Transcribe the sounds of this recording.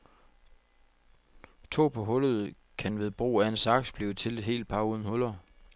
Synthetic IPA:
t͡sʰo̝̰ːpʰɒ̽ɦɔ̽lð̞̩ˠ | kʰænʋe̝ðˠb̥ʁṵːæensɑ̈ɡ̥sb̥liːt͡sʰe̝le̝d̥ɦe̝̰ːld̥̚pʰɑ̈uːð̞ˠn̩hɔ̽lɐ

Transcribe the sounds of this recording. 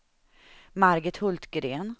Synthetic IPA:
maɾɡət̪hɵlt̪ɡɾeːn

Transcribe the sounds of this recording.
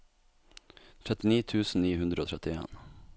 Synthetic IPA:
t̪ʰɾɛt̪ɪniːt̪ʰʉːsn̩niːhʉnd̪ɾəoːt̪ʰɛt̪ɪḛːn

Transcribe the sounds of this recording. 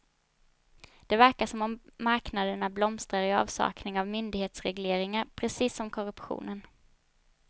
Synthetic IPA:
d̪̥ɛvæɾkaʂɔmɔmːaɾknad̪əɳablɔmst̪ɾaɾɪɑ̰ːvsɑ̰ːknɪŋavmʏnd̪ɪɡheːt̪sɾɛɡleːɾɪŋaɾpʰɾɛsiːsːɔmkʰɔɾɵpɧṵːnən

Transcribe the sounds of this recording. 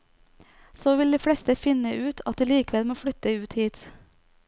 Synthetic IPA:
soːʋɪld̪iːfɽɛst̪əfɪnəʔʉːt̪ʰɑt̪̚d̪iːliːkəʋɛlmoːfɽʏt̪əʉːt̪hiːt̪

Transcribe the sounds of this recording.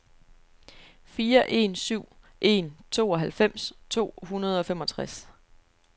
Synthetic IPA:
fiːɐʔe̝nsyʊ̰ | ʔe̝̰nt͡sʰo̝̰ːɒ̽ɦælfem̰st͡sʰo̝̰ːhunɐð̞ˠɒ̽femɒ̽t͡sʰʁas

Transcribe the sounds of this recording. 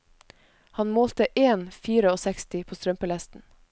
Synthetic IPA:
hɑnmoːlt̪əʔeːnfiːɾəoːsɛkst̪ɪpʰoːst̪ɾœmpəlɛst̪n̩

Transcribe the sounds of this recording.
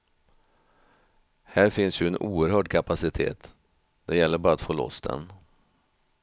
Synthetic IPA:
hæːɾfɪnsjɵɛnʔuːəɾhœːɖkʰapasɪt̪ʰḛːt̪ | d̪̥ɛjɛlːəɾbɑːɾat̪foːlɔ̰sd̪ɛ̰n

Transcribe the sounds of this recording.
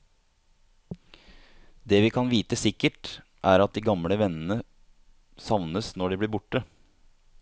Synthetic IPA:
d̪eːʋɪːkʰɑnʋiːt̪əsɪkːəʈ | ʔæːɾɑt̪̚d̪iːɡɑmɽəʋɛnənə | sɑʋnəsnɔɖiːbliːɾbʊʈːə

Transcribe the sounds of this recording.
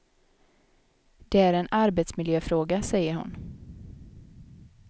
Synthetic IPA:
d̪̥ɛæɾɛnaɾbeːt̪smɪljøːfɾoːɡasɛjːəɾɦʊ̰n

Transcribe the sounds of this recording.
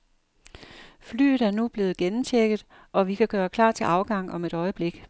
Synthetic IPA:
fly̰ːð̩ˠæɐnub̥le̝ːð̩ˠɡ̥enn̩t͡ɕʰeɡ̥ð̞̩ˠ | ʔɒ̽ʋikʰæɡ̥ɶːɐkʰlɑ̰̈ːt͡sʰe̝lʔɑ̈ʊɡ̥ɑ̈ŋ̰ɒ̽me̝ɾ̥ɒ̽ɪəb̥le̝ɡ̥

